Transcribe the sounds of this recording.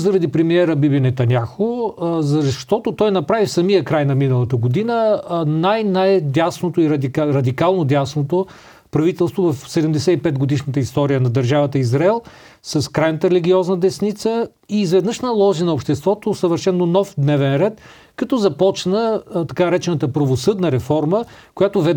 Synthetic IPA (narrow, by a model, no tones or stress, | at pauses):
zɐɾɐd̪ipɾɛmiɛɾəbibinɛt̪ɐnʲaxozɐzʃt̪ɔt̪ot̪ɔjnɐpɾavifsɐmijəkɾajnɐminəlˠɐt̪əɡod̪inənajnajd̪ʲasnot̪oiɾɐd̪ikɾɐd̪ikalˠnod̪ʲasnot̪o | pɾɐvit̪ɛlˠst̪vovɐfsɛd̪ɛmd̪ɛsɛipɛt̪ɡod̪iʃnət̪əist̪ɔɾijənɐd̪əɾʒavət̪əizɾaɛlˠ | sɐskɾajnət̪əɾɛlʲiɡʲiɔznəd̪ɛsnit̪sə | iːzvɛd̪nɤʃnəlˠɔʒinɐopʃt̪ɛst̪vɔt̪osəvəɾʃɛnːonɔfd̪nɛvɛnɾɛt̪ | kɐt̪ɔzɐpɔt͡ʃnət̪ɐkanɐɾɛt͡ʃɛnət̪əpɾɐvosɤd̪nəɾɛfɔɾmə | kojat̪ovɛd̪